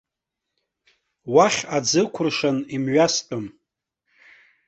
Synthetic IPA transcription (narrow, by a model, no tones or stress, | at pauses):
waχʲad͡zɨkʷʰʊrʂanimɥastʼom